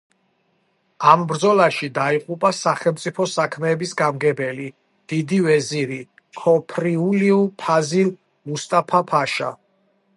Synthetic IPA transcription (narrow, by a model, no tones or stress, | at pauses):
ambɾd̪zɔlaʃid̪aiqʼupʼasaχɛlˠmt̪sʼipʰɔsakʰmɛːbisɡamɡɛbɛli | d̪̥id̪ivɛziɾi | kʰɔpʰɾiuliupʰazil | must̪ʼapʰapʰaʃa̰